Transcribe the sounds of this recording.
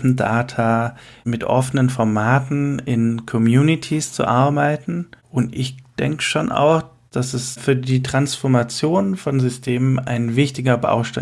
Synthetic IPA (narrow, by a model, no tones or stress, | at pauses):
n̩da̰ːtʰamɪtʔɔ̰fənənfɔɐmaːtn̩ɪnkʰɔmjuːnitʰist͡sṵʔaɐbaɪtn̩ʔʊntʔɪçd̥ɛŋkə̥ʃoːnʔa̰ʊx | d̥asɛsfyːɐdiːtʁ̥ansfɔɐmat͡sjoːnfɔnzʏstʰeːməna̰ɪnvɪçtɪɡɐba̰ʊʃta